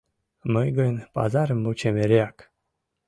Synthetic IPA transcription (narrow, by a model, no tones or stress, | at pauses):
məjɡənpa̰zaɾmut͡ʃemeɾjak